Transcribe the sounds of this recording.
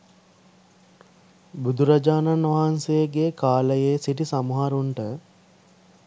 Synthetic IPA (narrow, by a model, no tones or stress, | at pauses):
bud̪ʱuɾad͡ʒaːnanʋaɦansejəɡekaːləjeːsiʈisamuɦaɾuɳʈə